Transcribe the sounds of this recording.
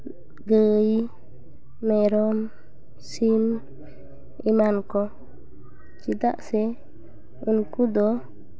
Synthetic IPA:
ɡəji | mɛɾɔm | sim | imankɔ | t͡ʃid̪a̰ʔsɛ | unkud̪ɔ

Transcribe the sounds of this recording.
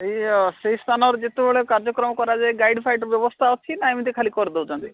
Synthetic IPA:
ejseɦist̪ʰanɔɾɔd͡ʒet̪ebeɭekaɾd͡ʒɔkɾɔmɔkɔɾad͡ʒaeɡajɖpʰajʈɾbjɔbɔst̪ʰaɔt͡ʃʰinamid̪ikʰalikɔɾid̪ebud͡ʒɔ̃nt̪i

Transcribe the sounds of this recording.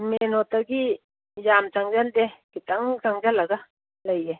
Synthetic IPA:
menɔt̪aɡi | jamt͡ʃaŋd͡ʒald̪ɛkit̪aŋt͡ʃaŋd͡ʒalaɡa | lajɛ

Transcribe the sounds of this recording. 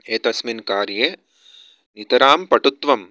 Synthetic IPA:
eːt̪ɐsminkaːɾjeː | nit̪ɐɾaːmpɐʈut̪ʋɐm

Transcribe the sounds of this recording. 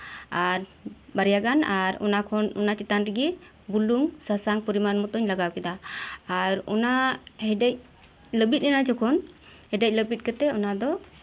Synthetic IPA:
aɾbaɾjaɡanaɾɔ̰nakʰɔnɔ̰nat͡ʃit̪anɾɛɡi | buluŋsasaŋpɔɾimanmɔt̪ɔɲlaɡawkɛd̪aː | ɾɔ̰nahɛɛc̚ | ləbit̪̚ˀnɛnad͡ʒɔkʰɔnhɛdɛc̚ˀləbit̪̚kɛt̪ɛɔnad̪ɔ

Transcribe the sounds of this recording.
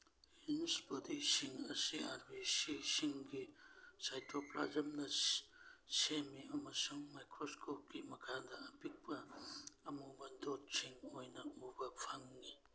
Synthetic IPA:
inspodisiŋɐsiaɾbisisiŋɡisajtʰopla̰zɐmnɐ | semiɐmɐsuŋmajkʰɾoskʰop̚ɡimɐkʰadaːpik̚pɐː | mubɐdott͡ʃiŋojnɐubɐpʰaŋːi

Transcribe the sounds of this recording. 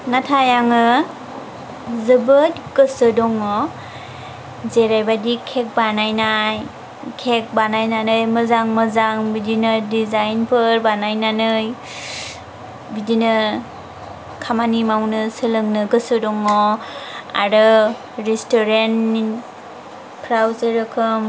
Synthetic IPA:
natʰajaŋɯ | zɯbɯt̚ɡɯsɯdɔŋɔ | zeɾajbadikʰek̚banajnaj | kʰek̚banajnanɯjmɯzaŋmɯzaŋbidinɯdizajnpʰɯɾbanajnanɯj | bidinɯ | kʰamanimawnɯsəlɯŋnɯɡɯsɯdɔŋɔ | a̰ɾɯ | ɾistɔɾen | pʰɾawzəɾɯkʰɯm

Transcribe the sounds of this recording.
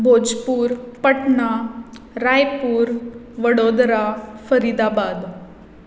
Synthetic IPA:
bʱod͡ʑpuːɾpəʈɳa | ɾajpuːɾ | ʋəɽod̪ɾafəɾid̪abad̪

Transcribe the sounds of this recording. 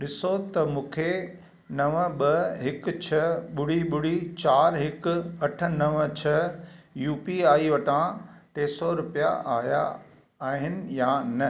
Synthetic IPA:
ɗɪsot̪ɐmũːkʰe | nɐʋəɓɐɦɪkt͡ɕʰɐɓʊɽiɓʊɽit͡ɕaːɾɦɪkʊɐʈʰə̆nɐʋət͡ɕʰɐjuːpiaːiʋɐʈãʈeːsɔɾʊpija̰aːja̰ | aːɦɪnɪ̆janɐ

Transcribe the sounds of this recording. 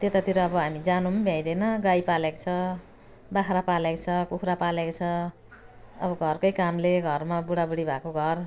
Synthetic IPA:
t̪et̪at̪ʰiɾʌːbʌɦamid͡zanumʌnbʱjãj̃d̪ʌjnʌɡajpalekt͡sʰʌ | bakʰɾapalekot͡sʰʌkukʰɾapalekt͡sʰʌ | ʌbʌɡʱʌrkʌjkamleɡʱʌrmabuɽabuɽibʱakoɡʱʌr

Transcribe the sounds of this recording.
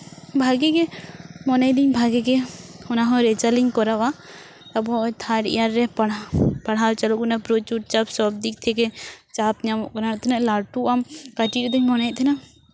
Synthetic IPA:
bʱaɡɛɡɛmɔnajd̪iɲbʱaɡɛɡɛhɔnaɦɔ̃ɾɛt͡ʃaliɲkɔɾawa | t̪abɔʔt̪ʰaʈḭjaɾːɛpaɽpaɽɦalt͡ʃalɔkunapɾot͡ʃuʈ̚t͡ʃapsɔb̚d̪ik̚ˀt̪ʰɛkɛt͡ʃapɲamɔʔkɔnat̪ʰɛnaʔlaɾʈuʔamkaʈiɾɛd̪ɔɲmɔnɛt̪ʰɛna

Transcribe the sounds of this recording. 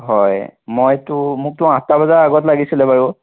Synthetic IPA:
ɦɔjmojtʊmʊk̚tʊãtabazaɹaɡɔtlaɡisilɛbaɹu

